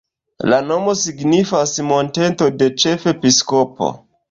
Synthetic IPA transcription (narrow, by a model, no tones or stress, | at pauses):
lano̞mo̞siɡnifasmo̞nte̞nto̞de̞t͡ʃefe̞pisko̞po̰